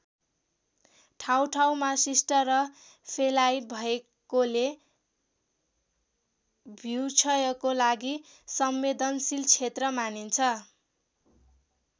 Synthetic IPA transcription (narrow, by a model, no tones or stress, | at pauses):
ʈʰawʈʰawmasisʈʌrʌ | pʰelajbʱʌe | kole | bʱiwt͡sʰʌjʌkolaɡi | sʌmːed̪ʌnsilt͡sʰet̪rʌmanint͡sʰʌ